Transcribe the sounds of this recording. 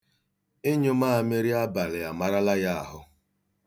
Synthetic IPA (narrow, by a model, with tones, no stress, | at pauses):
e˦ɲo˦ma˦˨me˦ɾi˦a˦ba˨lɪ˨a˨ma˦ɾa˦la˦ja˦˨a˨ɦʊ˦